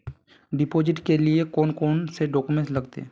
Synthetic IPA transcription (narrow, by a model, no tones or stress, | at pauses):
ɖɪpoːd͡ʒɪʈkeliekoːnkoːnseɖoːkumẽslɐɡt̪ḛː